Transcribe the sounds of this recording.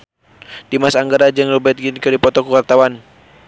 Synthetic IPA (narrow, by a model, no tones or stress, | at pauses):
d̥imasaːŋɡaɾad͡ʒɨŋlɔbɛt̪̚ɡinkɨdipɔt̪ɔkəwart̪awan